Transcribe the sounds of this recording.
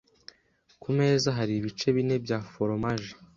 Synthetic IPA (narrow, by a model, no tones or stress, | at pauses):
kume̞ːzaɦaɾiβit͡ʃe̞βine̞bjaːfoɾomaʒe̥